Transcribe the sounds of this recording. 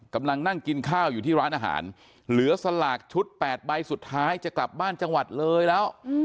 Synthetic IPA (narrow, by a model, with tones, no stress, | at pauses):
ka˧mla˧ŋna˥˩ŋki˧nkʰaː˥˩wjuː˨˩t̪ʰiː˥˩ɾaː˦˥nʔaː˧ɦa̰ː˩˦n | lɯ˩˦ɐsa˧laː˨˩k̚t͡ɕʰu˦˥t̪̚pɛː˨˩t̪̚ba˧jsu˨˩t̪ʰːaː˦˥jt͡ɕa˨˩kla˨˩p̚baː˥˩nt͡ɕa˧ŋwa˨˩t̪̚lɤː˧jlɛː˦˥w